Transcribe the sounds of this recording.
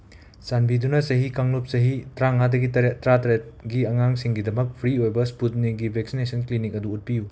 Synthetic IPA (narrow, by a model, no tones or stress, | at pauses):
sanbidunɐsɐɦikaŋlup̚sɐɦitɾaŋadɐɡitɐɾetɾatɐɾet̚ɡiɐŋaŋsiŋɡidɐmɐk̚pʰɾiojbɐsput̚niɡibʱek̚sinesʰɐnklinikɐduːt̚piju